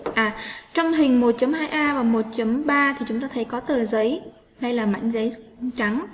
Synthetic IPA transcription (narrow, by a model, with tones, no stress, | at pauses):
ʔaː˨˩t͡ɕɔ˧wŋ͡mɦï˨˩ŋ̟mo˨˩t̚t͡ɕə˨˦mhaː˧jʔaː˧vaː˨˩mo˨˩t̚t͡ɕə˨˦mɓaː˧t̪ʰi˨˩t͡ɕʊ˨˦ŋ͡mt̪aː˧t̪ʰə˨˦jkɔ˨˦t̪əː˨˩zə˨˦j | ɗə˧jlaː˨˩ma̰˧˨jŋ̟zə˨˦j | ŋt͡ɕa˨˦ŋ